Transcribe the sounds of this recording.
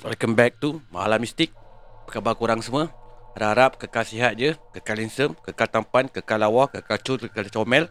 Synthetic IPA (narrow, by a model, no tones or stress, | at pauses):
alkəmbɛk̚t̪uma̰ɦa̰lamist̪ɪk̚pəkabakuɾaŋsəmə̃ɾaɾap̚kəkalsiɦat̪̚d͡ʒəkəkalinsəmkəkalt̪ampankəkalawɔhkəkalt͡ʃulkəkalt͡ʃɔmɛl